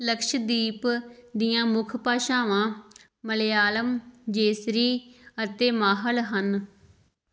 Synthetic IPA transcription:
ləkʃd̪iːpd̪ɪjãːmʊkʰpaːʃãːʋãː | məleːaːləmd͡ʒeːsɾiːət̪eːmaːɦəlɦən

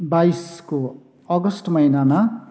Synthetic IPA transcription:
baisko | ʌɡʌsʈmʌjnama

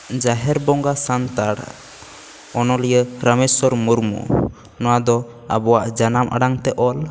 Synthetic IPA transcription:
d͡ʒaɦɛɾbɔŋɡasant̪aɽ | ɔnɔlɛjəɾəmɛsɔɾmuɾmṵ | nɔwad̪ɔ | a̰bɔwaʔd͡ʒanamʔa̰ɖaŋt̪ɛʔɔl

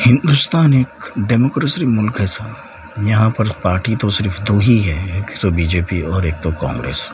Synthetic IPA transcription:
hɪ̃nd̪ust̪aːneːkɖɛːmoːkɾesɾimʊlkɦɛsʰa | jɐɦãpɐɾpaːɾʈit̪osɪɾfd̪oːɦiɦɛekt̪obiːd͡ʒeːpiɔːɾeːk̚t̪okã̰ːŋɡɾḛːs

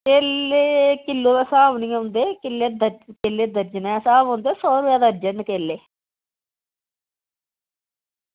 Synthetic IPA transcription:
keːleːkɪlːoːt̪ːsaːʋniːõːnd̪eːkɪlːed̪əkɪlːeːd̪əɾd͡ʒənɛːsaːʋɦõnd̪eːsɔːɾʋaːd̪əɾd͡ʒənkeːlːeː

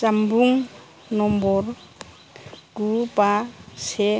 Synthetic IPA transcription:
t͡ʃambʱuŋ | nɔmbɔɾ | ɡupasɛ

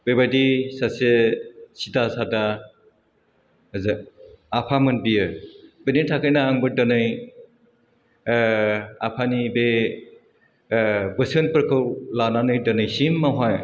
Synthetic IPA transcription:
b̥ebadisasesitasada | zɯapʰamɯnbijɯbenitʰakɯjnaːŋbɯdɯnɯj | apʰanibe | bɯsɯnpɯɾkʰɯwlananɯjdɯnɯjsimːaɦaj

